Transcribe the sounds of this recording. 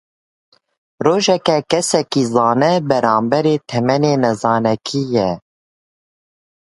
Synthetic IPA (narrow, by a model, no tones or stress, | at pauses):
roːʒɛkɛkɛsɛkizɑːnɛbɛɾɑːmbɛɾeːt̪ʰɛmɛneːnɛzɑːnɛkʰijɛ